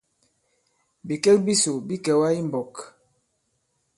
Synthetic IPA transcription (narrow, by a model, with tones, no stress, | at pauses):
bi˨kɛ˦kbi˦so˨bi˦kɛ˨wa˦i˦m˨bɔ˨k